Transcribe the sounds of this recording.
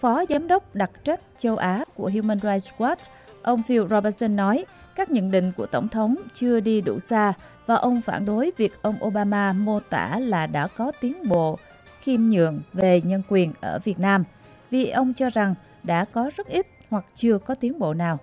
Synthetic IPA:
fɔ˨˦zaː˨˦mɗə˦˥wk͡p̚ɗa˨˩k̚t͡ɕa˦˥jk̟̚t͡ɕə˧wʔaː˨˦ku˧˩əɦi˧wmə˧nza˧jkwa˦˥t | ʔə˧wŋ͡mfi˧wzɔ˧ɓə˧t̚sə˧nːɔ˨˦j | kaː˦˥k̚ɲə̰˧˨nɗḭ̈˧˨ŋ̟ku˧˩ət̪ə˧˩wŋ͡mt̪ʰə˨˦wŋ͡mt͡ɕɨ˧əɗi˧ɗṵ˧˩saː˧ | vaː˨˩ʔə˧wŋ͡mfa̰ː˧˩nɗo˨˦jvi˨˩ək̚ʔə˧wŋ͡mʔo˧ɓaː˧maː˧mo˧t̪a̰ː˧˩laː˨˩ɗa̰ː˧˥kɔ˨˦t̪i˨˦ənɓo̰˧˨ | xi˧mɲɨ̰˧˨əŋve˨˩ɲə˧nkwi˨˩ənʔəː˧˩vi˨˩ət̚naː˧m | vi˨˩ʔə˧wŋ͡mt͡ɕɔ˧za˨˩ŋ | ɗa̰ː˧˥kɔ˨˦zə˦˥t̚ʔi˦˥t̚hwa˨˩k̚t͡ɕɨ˧əkɔ˨˦t̪i˨˦ənɓo̰˧˨naː˨˩w

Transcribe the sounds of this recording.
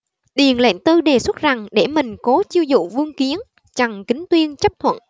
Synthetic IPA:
ɗi˨˩ənlḛ˧˨ŋt̪ɨ˧ɗe˨˩swə˦˥t̚za˨˩ŋɗe˧˩mï˨˩ŋ̟kɔ˨˦t͡ɕi˧əwzṵ˧˨vɨ˧əŋki˨˦ən | t͡ɕa˨˩ŋkï˨˦ŋ̟t̪wi˧ənt͡ɕə˦˥p̚t̪ʰwə̰˧˨n

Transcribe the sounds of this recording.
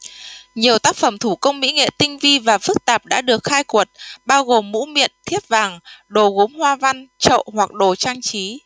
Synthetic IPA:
ɲi˨˩əwt̪aː˦˥k̚fə˧˩mt̪ʰu˧˩kə˧wŋ͡mmḭ˧˥ŋḛ˧˨t̪ï˧ŋ̟vi˧vaː˨˩fɨ˦˥k̚t̪aː˨˩p̚ɗa̰ː˧˥ɗɨ˨˩ək̚xaː˧jkwə˨˩t̚ɓaː˧wɣo˨˩mːṵ˧˥mḭ˧˨ənt̪ʰi˦˥əp̚vaː˨˩ŋɗo˨˩ɣo˨˦mhwaː˧va˧nt͡ɕə̰˧˨hwa˨˩k̚ɗo˨˩t͡ɕaː˧ŋt͡ɕi˨˦

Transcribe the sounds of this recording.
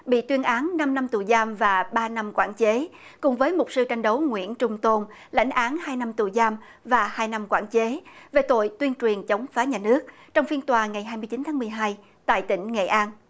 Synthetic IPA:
ɓḭ˧˨t̪wi˧ənʔaː˨˦nna˧mna˧mt̪u˨˩jzaː˧mvaː˨˩ɓaː˧na˧mkwa̰ː˧˩nt͡ɕe˨˦ | kʊ˨˩ŋ͡mvəː˨˦jmʊ˨˩k͡p̚sɨ˧t͡ɕa˧jŋ̟ɗə˨˦wŋwḭ˧˥ənt͡ɕʊ˧ŋ͡mt̪o˧n | la̰˧˥jŋ̟ʔaː˨˦nhaː˧jna˧mt̪u˨˩jzaː˧m | vaː˨˩haː˧jna˧mkwa̰ː˧˩nt͡ɕe˨˦ve˨˩t̪o̰˧˨jt̪wi˧ənt͡ɕwi˨˩ənt͡ɕə˨˦wŋ͡mfaː˨˦ɲaː˨˩nɨ˦˥ək̚ | t͡ɕɔ˧wŋ͡mfi˧ənt̪waː˨˩ŋa˨˩jɦaː˧jmɨ˧əjt͡ɕi˨˦nt̪ʰaː˨˦mɨ˨˩əjɦaː˧j | t̪a̰ː˧˨jt̪ï˧˩ŋ̟ŋḛ˧˨ʔaː˧n

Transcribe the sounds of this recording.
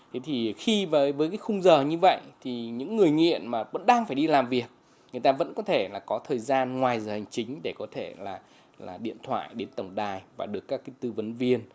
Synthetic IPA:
t̪ʰe˨˦t̪ʰi˨˩xi˧vəː˨˦jvəː˨˦jkaː˨˦jxʊ˧ŋ͡mzəː˨˩ɲɨ˧və̰˧˨jʔt̪ʰi˨˩ɲɨ̰˧˥ŋːɨ˨˩əjŋḭ˧˨ənmaː˨˩və̰˧˥nɗaː˧ŋfaː˧˩jɗi˧laː˨˩mvi˨˩ək̚ | ŋɨ˨˩əjt̪aː˧və̰˧˥nkɔ˨˦t̪ʰe˧˩laː˨˩kɔ˨˦t̪ʰəː˨˩jzaː˧nŋwaː˨˩jzəː˨˩ha˨˩jŋ̟t͡ɕï˨˦ŋ̟ɗe˧˩kɔ˨˦t̪ʰe˧˩laː˨˩ | la̰ː˨˩ɗḭ˧˨ənt̪ʰwa̰ː˧˨jɗe˨˦nt̪ə˨˩wŋ͡mɗaː˧˩jvaː˨˩ɗɨ˨˩əkːaː˦˥kːaː˨˦jt̪ɨ˧və˨˦nvi˧ən

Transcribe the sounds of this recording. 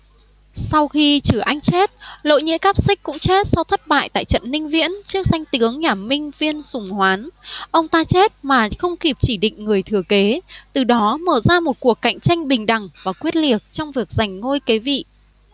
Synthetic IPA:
sa˧wxi˧t͡ɕɨ˧˩ʔa˧jŋ̟t͡ɕe˦˥t̚lo̰˧˨jɲḭ˧˥kaː˦˥p̚sï˦˥k̟̚kʊ̰˧˥ŋ͡mt͡ɕe˦˥t̚sɔ˧wt̪ʰə˦˥t̚ɓa̰ː˧˨jt̪a̰ː˧˨jt͡ɕə̰˧˨nːï˧ŋ̟vḭ˧˥ənt͡ɕɨ˦˥ək̚za˧jŋ̟t̪ɨ˨˦əŋɲaː˨˩mï˧ŋ̟vi˧ənsʊ˨˩ŋ͡mhwaː˨˦nʔə˧wŋ͡mt̪aː˧t͡ɕe˦˥t̚maː˨˩xə˧wŋ͡mki˨˩p̚t͡ɕi˧˩ɗḭ̈˧˨ŋ̟ŋɨ˨˩əjt̪ʰɨ˨˩əke˨˦t̪ɨ˨˩ɗɔ˨˦məː˧˩zaː˧mo˨˩t̚ku˨˩əkːa̰˧˨jŋ̟t͡ɕa˧jŋ̟ɓï˨˩ŋ̟ɗa˨˩ŋvaː˨˩kwi˦˥ət̚li˨˩ək̚t͡ɕɔ˧wŋ͡mvi˨˩ək̚za˨˩jŋ̟ŋo˧jke˨˦vḭ˧˨

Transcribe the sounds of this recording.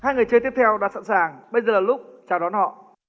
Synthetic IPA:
haː˧jŋɨ˨˩əjt͡ɕə˧t̪i˦˥əp̚t̪ʰɛ˧wɗa̰ː˧˥sa̰˧˥nsaː˨˩ŋɓə˧jzəː˨˩laː˨˩lʊ˦˥k͡p̚t͡ɕaː˨˩wɗɔ˨˦nhɔ̰˧˨

